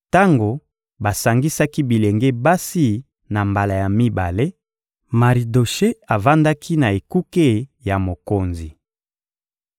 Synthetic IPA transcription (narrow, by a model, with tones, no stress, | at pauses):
ta˦ŋɡo˨ | ba˨sa˨ŋɡi˦sa˦ki˦bi˨le˨ŋɡe˦ba˦si˦ | na˨mba˨la˨ja˨mi˦ba̰˨le˦ | ma˨ʁi˨do˨ʃe˦a˨va˦nda˦kʰi˦na˨e˨ku˦ke˦˨ja˨mo˨ko˨nzi˨